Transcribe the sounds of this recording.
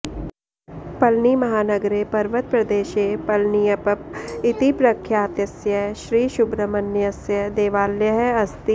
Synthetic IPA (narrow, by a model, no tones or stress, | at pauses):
pɐlniːmɐɦaːnɐɡɾepɐɾʋət̪̚pɾɐd̪eːʃeːpɐlnijɐpɐp̚ɪt̪ipɾɐkʰːjaːt̪jɐsjɐʃɾiːʃʊbɾəmɐnjɐsjɐd̪eːʋaːljəɦɐst̪i